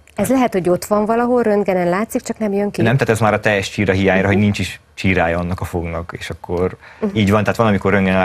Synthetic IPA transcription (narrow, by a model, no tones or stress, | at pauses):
ɛzlɛɦɛt̪ho̞ɟo̞t̪ʋɒɱvɒlɒɦo̞lrønd̪ɡɛnɛnlaːt̪sik̚t͡ʃɒknɛmjøŋkinɛmt̪ɛat̪ɛzmaːɾɒt̪ɛjɛʃt͡ʃiːɾɒɦijaːɲɾɒɦo̞ɟnint͡ʃiʃ | t͡ʃiːɾaːjɒɒnːɒkɒfoɡnɒkeːʃɒkːoriːɟʋɒnt̪ɛɦaːt̪ʋɒnɒmiko̞rːønɡɛn